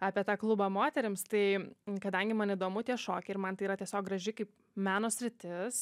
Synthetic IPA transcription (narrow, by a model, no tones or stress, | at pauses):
ɑːpʲiɛt̪ɑːklˠʊbɑmoːt̪ʲɛɾʲɪmst̪ɐɪkɐd̪ɐŋʲɡʲɪmɐniːd̪oːmʊt̪ʲiɛʃoːkʲɛɪɾmɐnt̪ɐɪiːɾɐt̪ʲiɛsʲoːk̚ɡrɐʒʲɪkɐɪp̚ | mʲæːnoːsʲɾʲɪt̪ʲɪs